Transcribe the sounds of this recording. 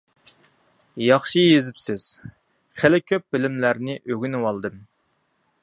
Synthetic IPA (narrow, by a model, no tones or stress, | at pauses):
jɑχʃɨjezɪpsɪz̥ | χelɪkʲʰøp̚b̥ɪlɪmlæɾnɪʔøɡʲynwɑlˠd̪ɨm